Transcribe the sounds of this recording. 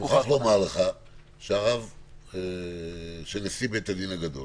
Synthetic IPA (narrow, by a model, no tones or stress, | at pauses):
uχaχlomaleχa | ʃeaʁave | ʃenesibet̪ad̪inaɡad̪o̞̰l